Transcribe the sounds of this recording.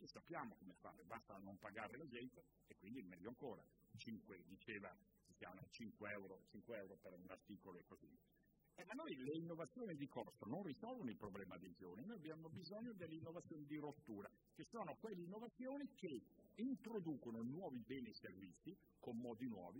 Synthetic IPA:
esapːjaːmokomefa̰ːɾebast̪aːnːompaɡaːɾelad͡ʒɛnt̪a | ekːwind̪imɛlːoaŋkoːɾa | t͡ʃiŋkwed̪it͡ʃeːva | kisja̰nat͡ʃiŋkweɛwɾot͡ʃiŋkweɛwɾopeɾunart̪iːkoloekːozi | ɛmːanːojleinːovat̪sːjoːnid̪ikorsononrizɔlvonoilpɾoblɛːmad̪ezo̰ninojabjaːmobizoɲːod̪elːeinːovat̪sːjoːnid̪iɾot̪ːuːɾa | kesoːnokwelːeinːovat̪sːjoːnikeint̪ɾod̪uːkononwɔːvibɛːnieservit̪sːi | komːɔːd̪inwɔ̰ːvi

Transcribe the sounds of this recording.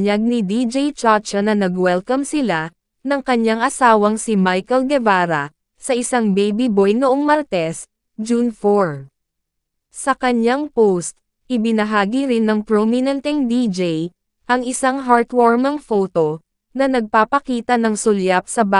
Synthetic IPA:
aɡ̚nɪd̪id͡ʒɛjt͡ʃat͡ʃɐnɐnɐɡwɛlkɐmsɪla | nɐŋkɐɲaŋʔɐsaːwɐŋsɪmajkɐlɡɛvaːɾɐ | sɐʔɪsaŋbɛjbibojnʊʔoŋmɐɾt̪ɛs | d͡ʒunfoɹ | sɐkɐɲaŋpowst̪̚ | ʔɪbɪnɐɦaːɡiɾɪnːɐŋpɾomɪnɛnt̪ɛŋd̪id͡ʒɛj | ʔɐŋɪsaŋɦaɹt̪wɛɹmɐŋfoːt̪o | nɐnɐɡ̚papɐkiːt̪ɐnɐŋsʊljap̚sɐba

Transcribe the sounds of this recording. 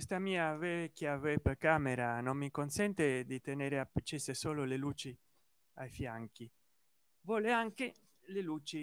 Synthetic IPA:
kst̪amiːavekjavepekameɾanommːikonsɛnt̪ed̪it̪eneːɾeapːet͡ʃːesesoːlolelut͡ʃi | ajfjaŋki | vwɔːleaŋke | leluːt͡ʃi

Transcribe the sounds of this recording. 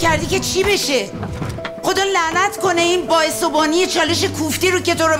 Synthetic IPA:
æɾd̪ice̞t͡ʃʰibe̞ʃe | xo̞d̪ɒːlæʔnæt̪ʰko̞ne̞inbɒːesobɒːnije̞t͡ʃʰɒːle̞ʃe̞kʰuft̪iɾoce̞t̪ʰoɾo

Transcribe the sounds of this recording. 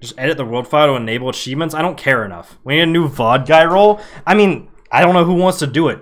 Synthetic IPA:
d̥ʒ̥ʌstɛɾɨt̪̚ðəwɜ˞lˠd̥faɪlɾəəneɪvl̩ˠət͡ʃʰivmə̃ntsaɪɾõʊ̃nkʰɛɹɨnʌ̰fwə̃njɨɾɨnʉvɑd̚ɡaɪɹoʊlˠaɪmĩn | aɪɾõʊ̃nːoʊhuwɑ̃ntstʰɨdɨɪt̚

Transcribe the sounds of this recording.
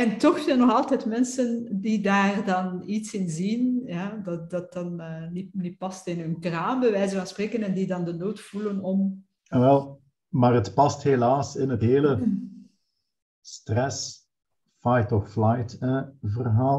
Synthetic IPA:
ɛntɔxzɛjnːɔxɑlˠtɛtmɛnsəndidaːrdɑnitsɪnzinjaːdɑdɑt̚ɑnəninipɑstɪnɦɵnkraːmbəʋɛjzəvɑnspreːkənɛndidɑndənoːtfulənɔm | ʋɛlˠ | maːrətpɑsthelaːsɪnətɦeːlə | strɛs | fajtɔfflajtəvərɦaːl

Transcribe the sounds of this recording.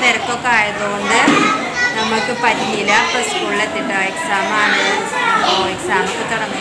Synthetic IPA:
neɾɐkːokːaːjɐðoond̪ɨ | nɐmːɐkːɨpɐɾiɦilɐpɐskuːɭːet̪ːiʈːɐeksaːmaːɳɨoːeksaːmɐkːɨt̪uɽɐm

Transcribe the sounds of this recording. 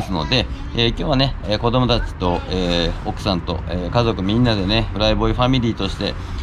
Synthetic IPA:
sɨno̞̰d̪e̞ | eːkʲo̞ːβ̞ane̞eːko̞d̪o̞mo̞t̪at͡ɕi̥t̪o̞eːokɯ̟̥sãnt̪o̞̰eːkazo̞kɯ̟mʲĩnːad̪e̞ne̞ɸɯ̟ɾaibo̞iɸamʲiɾʲiːt̪o̞ɕi̥t̪e̞̰

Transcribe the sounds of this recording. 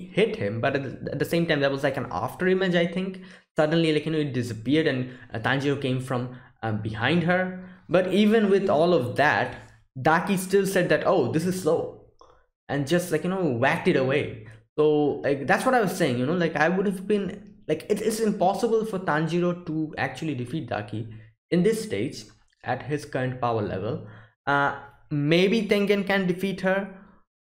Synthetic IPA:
hɪʈhɪ̃mbʌʈæ̰t̪̚d̪əsẽːmʈãɪ̃md̪æt̚wɔzlaɪkæ̃na̰fʈəɾɪ̃mɪd͡ʒaɪt̪ʰɪ̃ŋksʌɖ̃nlilaɪkjɨnoːɪʈ̚ɖɪsəpiəɾɖæ̃nt̪ãnd͡ʒiɾokẽːmfɾɔ̃m | bɪhãɪ̃nɖɦəɾbʌʈivə̃nwɪd̪ɔːlɔʋd̪æ̰ʈ | ɖakisʈɪlsɛɖ̚d̪æʈoʊd̪ɪs̬ɨz̥sloʊ | ʔɛ̃nd͡ʒʌsʈlaɪkjɨnowæk̚ʈɨɾəweɪsoːlaɪkd̪æʈsʋɔɾaɪʋɔz̥seɪɪ̃ŋjunoːlaɪkaɪʋʊɖævbĩnlaɪkɪʈɪʈsɪ̃mpɔsəbəlfɔɾt̪ãnd͡ʒiɾoʈuæ̰k̚t͡ʃuəliɖɪfiːʈ̚d̪a̰ːki | ɪ̃nd̪ɪsːʈeɪd͡ʒ | ʔæ̰ʈɦɪz̥kʌɾə̃ɳʈ̚paʊəɾlɛ̰ʋə̰l | ʔʌ | meɪbit̪ɪ̃ŋkə̃nkæ̃nɖɪfiːʈhəɾ

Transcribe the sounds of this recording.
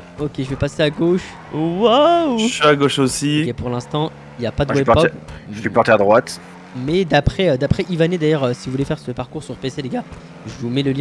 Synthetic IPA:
okʲeʒəvɛpaseaɡoʃ | wawʒsɥiaɡoʃosiɛpuʁlɛ̃st̪ɑ̃ | iljapad̪əwɛpɔʁpɔɛʒsypɔʁt̪ɛad̪ʁwat̪ | mɛd̪apχɛød̪apχɛʔivaned̪ajœʁøsivuvulefɛʁsəpaʁkuʁsyʁpeseleɡa | ʒəvumɛləljɛ̃

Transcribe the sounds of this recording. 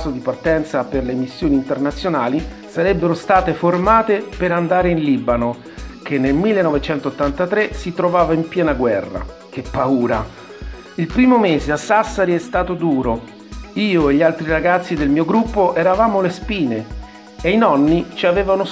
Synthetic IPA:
sod̪ipart̪ɛnt̪saperlemisːjoːniːnt̪ernat̪sːjonaːli | saɾɛbːeɾost̪aːt̪eformaːt̪epeɾand̪aːɾeinliːbano | k̟enːelmilːenːɔvet͡ʃɛnt̪oːt̪ːant̪at̪ɾesit̪ɾovaːvaimpjɛːnaɡwɛrːa̰k̟epːauːɾa | ilpɾiːmomeːzeasːasːaɾiɛst̪aːt̪od̪uːɾo | iːoeʎːialt̪ɾiɾaɡat̪sːid̪elmiːoɡɾupːoʔɛɾavaːmolespiːne | einɔnːit͡ʃiaveːvano

